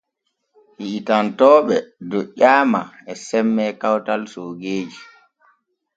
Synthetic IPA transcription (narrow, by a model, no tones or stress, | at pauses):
hiʔitantɔːɓɛdɔʔaːma̰ɛsɛmːɛkawtalsoːɡeːd͡ʒi